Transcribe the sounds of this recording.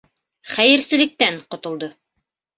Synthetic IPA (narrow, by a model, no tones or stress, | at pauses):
χæjɘ̆ɾsɘ̆lɘ̆k̚t̪æŋqŏt̪ŏlˠd̪ɤ